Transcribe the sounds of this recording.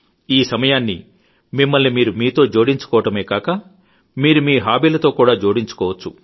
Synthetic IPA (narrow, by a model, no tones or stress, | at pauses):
iːsɐmɐjaːnːḭ | mimːɐlnimiːɾumiːt̪o̞ːd͡ʒo̞ːɽiɲt͡ʃu̥kɔːʋɐʈɐme̞ːkaːkɐ | miːɾumiːɦaːbiːlɐt̪o̞ːkuːɽaːd͡ʒo̞ːɽiɲt͡ʃu̥kɔːʋɐt͡ʃːu